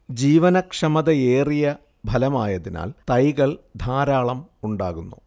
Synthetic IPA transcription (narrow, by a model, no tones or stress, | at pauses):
d͡ʑiːʋɐnɐkʂɐmɐðɐeːrijɐ | bʱɐlɐmaːjɐðina̰ːlt̪ɐjɣɐɭd̪ʱaːɾaːɭɐmuɳɖaːɣunːṵ